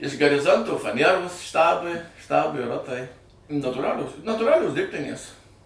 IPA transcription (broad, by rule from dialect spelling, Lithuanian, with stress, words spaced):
ɪʃ ɡɐrʲɪˈzoːntoː fɐˈnʲiɛroːs ˈʃtɑːbʊɪ ˈʃtɑːbʊɪ ˈroːtɐɪ nɐtuːˈrɑːlʲoːs nɐtuːˈrɑːlʲoːs ˈdʲɪrʲpʲtʲɪnʲeːs